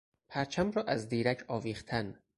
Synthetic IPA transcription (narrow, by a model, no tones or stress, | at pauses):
pʰæɾt͡ʃʰæmɾɒːʔæzd̪iːɾæcʰɒːviːχt̪ʰæn